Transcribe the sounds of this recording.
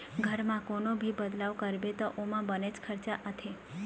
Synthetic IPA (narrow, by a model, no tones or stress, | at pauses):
ɡʱəɾmãkonobʱibəd̪laʋkəɾbet̪oʔomãbəned͡ʒkʰəɾt͡ʃaʔət̪ʰe